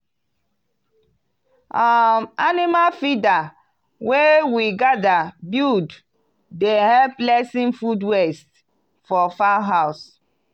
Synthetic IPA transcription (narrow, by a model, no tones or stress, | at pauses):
amanimafida | wewiɡadabud | dehɛplɛsĩnfudwest | fɔfaɦaʊs